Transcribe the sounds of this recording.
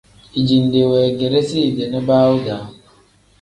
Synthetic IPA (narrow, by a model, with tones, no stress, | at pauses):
i˨d͡ʒi˨nde˨wɛ˨ɡe˨ɾe˦si˦˨de˨na˦baː˦wu˦da˨˦